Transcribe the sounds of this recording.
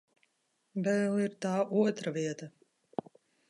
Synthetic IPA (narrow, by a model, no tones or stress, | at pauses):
bɛlˠiɾt̪aːʔuɔt̪ɾaviɛt̪a